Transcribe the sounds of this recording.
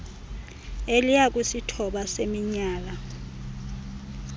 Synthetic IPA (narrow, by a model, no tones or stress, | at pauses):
elijak̬ʼusitʰɔɓasemiɲaːla